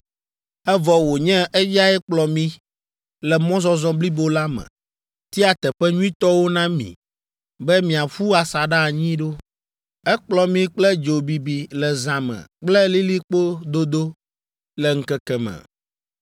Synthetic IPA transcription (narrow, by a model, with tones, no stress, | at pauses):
ɛ˦vɔ˨wo˨ɲɛ̃˦ʔɛ˦ja˦ɛ˦k͡plɔ˨mĩ˦ | lɛ˨mɔ̃˦zɔ̃˦zɔ̃˦bli˦bo˦la˦mɛ̰̃˨ | t̪i˦a˨t̪ɛ˨ɸɛ˦ɲũ˦ĩ˦t̪ɔ˦wo˦nã˦mḭ̃˨ | bɛ˦mĩ˨a˨ɸu˦a˨sa˨ɖa˦˨ɲĩ˦ɖo˦ | ɛ˦k͡plɔ˨mĩ˦k͡plɛ˦d͡ʒo˨bi˨bi˨lɛ˨zã˨mɛ̰̃˨k͡plɛ˦li˦li˦k͡po˦d̪o˦d̪o˦ | lɛ˨ŋ̩˦kɛ˦kɛ˦mɛ̰̃˨